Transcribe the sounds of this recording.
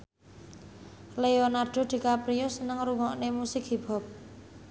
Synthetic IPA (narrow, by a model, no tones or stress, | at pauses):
leonarɖ̪̥o̤d̪̥i̤kapɾiosənəŋɾuŋɔʔnemusɪkɦib̥a̤p̚